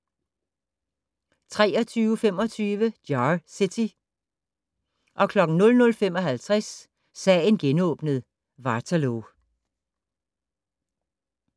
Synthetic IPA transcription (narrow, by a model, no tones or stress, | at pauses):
t͡sʰʁɛːɒt͡sʰyːʊfem̰ɒ̽t͡sʰyːʋəd̥jɑsit͡sʰi | ʔɒ̽kʰlɒ̽ɡ̥n̩nɔ̽lnɔ̽lfem̰ɒ̽ɦælt͡sʰʁas | sɛːe̝nɡ̥enɔ̰ːb̥nəð̞̩ˠ | ʋɑ̈t͡sʰælo